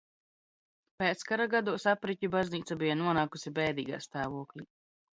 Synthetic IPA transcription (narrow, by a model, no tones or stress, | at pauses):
peːt̪skaɾaɡad̪uɔsapɾicʲubazniːt̪sabijanuɔnaːkusibɛːd̪ḭːɡa̰ːst̪aːvuɔklʲi